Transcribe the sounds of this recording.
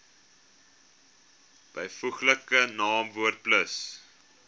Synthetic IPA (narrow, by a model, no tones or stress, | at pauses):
b̥əjfuχləkənɑːmvuərt̚pləs